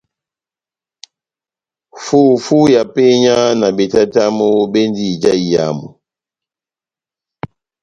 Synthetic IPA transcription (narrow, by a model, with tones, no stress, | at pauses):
fu˦fu˦ja˨pe˦ɲa˦na˨be˨ta˦ta˦mo˦be˦ndi˦d͡ʒa˦i˨ja̰˨mu˨